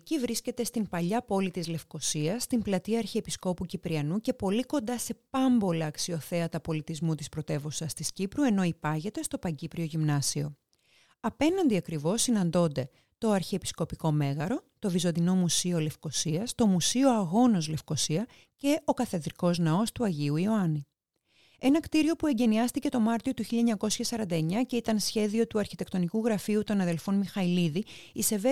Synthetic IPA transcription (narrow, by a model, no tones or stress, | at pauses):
ecivɾisce̞t̪e̞st̪impɐʎɐpo̞lit̪izle̞fko̞siɐst̪implɐt̪iɐːɾçiepisko̞pucipɾiɐnuce̞po̞liko̞nd̪ɐse̞pɐmbo̞lɐːksio̞θe̞ɐt̪ɐpo̞lit̪izmut̪ispɾo̞t̪e̞vosɐst̪iscipɾue̞no̞ipɐʝe̞t̪e̞st̪o̞pɐɲɟipɾio̞ʝimnɐsio̞̰ | ɐpe̞nɐnd̪iɐkɾivo̞sːinɐnd̪o̞nd̪e | t̪o̞ɐɾçiepi̥sko̞piko̞me̞ɣɐɾo̞t̪o̞vizo̞nd̪ino̞musiole̞fko̞siɐst̪o̞musio̞ɐɣo̞no̞zle̞fko̞siɐ | ce̞o̞kɐθe̞ðɾiko̞znɐo̞st̪uɐʝiuioɐni | e̞nɐkt̪iɾio̞pue̞ɲɟe̞niɐst̪ice̞t̪o̞mɐɾt̪io̞t̪uçilʎɐeɲɐko̞sçɐsɐɾɐnd̪ɐeɲɐce̞it̪ɐnsçe̞ðio̞t̪uɐɾçit̪e̞kt̪o̞nikuɣɾɐfiut̪o̞nɐðe̞lfo̞nmixɐiliðiise̞ve